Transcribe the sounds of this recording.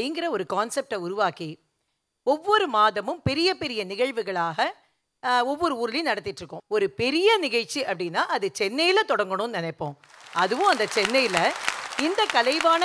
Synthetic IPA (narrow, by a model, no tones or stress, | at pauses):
ijŋɡɪɾɐɔɾɯkaːnsɛp̚ʈɐʊɾʊʋaːki | ɔʋːɔɾɯmaːðɐmɯmpɛɾɪjɐpɛɾɪjɐnɪɣɐɻʋɯɣɐɭaːɣɐ | ɔʋːɔɾɯuːɾɪljʊ̃nɐɽɐt̪ːɪʈːrɯkːʊ̃ɔɾɯpɛɾɪjɐnɪɣɐɻt͡ʃːiɐpːɐɽɪnːaːʔɐðɯt͡ʃɛnːɐjɪlɐt̪ɔɽɐŋɡɐɳʊ̃nnɪnɐɪpːõː | ɐðɯʋʊ̃ɐnd̪ɐt͡ʃɛnːɐjɪlɐɪnd̪ɐkɐlɐɪʋaːnɐ